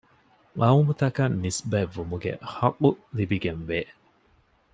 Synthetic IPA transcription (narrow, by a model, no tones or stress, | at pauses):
ɐumut̪ɐkɐnːisbɐvːumuɡḛhɐkʼːulibiɡenʋeː